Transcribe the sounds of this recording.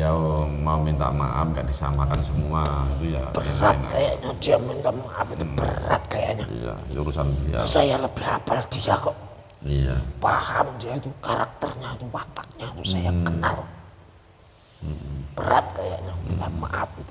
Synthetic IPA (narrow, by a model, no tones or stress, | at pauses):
jaomaumint̪a̰ma̰ʔa̰fŋɡaʔdisa̰makansəmuait̪ujab̥əat̪̚kajaʔɲadiamint̪aʔmaʔafit̪ub̥ə̰ra̰t̪̚kaja̰ʔɲaa̰uɾusanisajaləb̥ɪhapald̥iakɔʔ | iapahamdiait̪ukaɾak̚t̪ərɲait̪uwat̪ak̚ɲapusajakəna̰l | b̥əɾa̰t̪̚kaja̰ʔɲamint̪aʔma̰ʔa̰fit̪u